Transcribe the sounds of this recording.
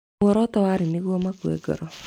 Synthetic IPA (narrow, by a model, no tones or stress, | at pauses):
ɔɾɔtɔwaɾɪnɪɣɔmakuɛ̰ɡɔ̰ɾɔ